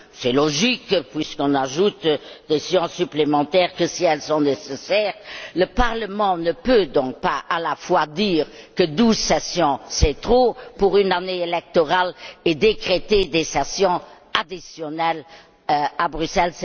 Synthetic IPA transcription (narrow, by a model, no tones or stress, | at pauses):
sɛlɔʒikpɥiskɔ̃naʒut̪d̪esjɔ̃syplemɑ̃t̪ɛːʁkəsiɛlsɔ̃nesesɛːʁləpaʁləmɑ̃nəpød̪ɔ̃k̚paalafwad̪iːʁkəd̪uzsɛsjɔ̃sɛt̪χopuʁynaneelɛk̚t̪ɔʁaled̪ekχet̪ed̪esɛsjɔ̃ | ad̪isjɔnɛl | abʁysɛlsɛ